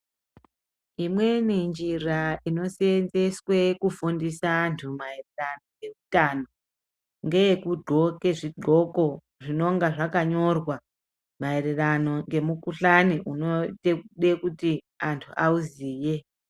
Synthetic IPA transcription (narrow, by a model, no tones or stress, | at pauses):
imwe̞nend͡ʒiraino̞senzeswe̞kufundisantʰumaererano̞ŋɡe̞mutano | ŋɡe̞jekuɡ͡ǃʱo̞ke̞ʐiɡ͡ǃʱo̞ko̞ | ʐino̞ŋɡaʐakaɲo̞rwa | maererano̞ŋɡe̞mukuɬaniʔunotekuɗe̞kuti | antʰuʔauziːje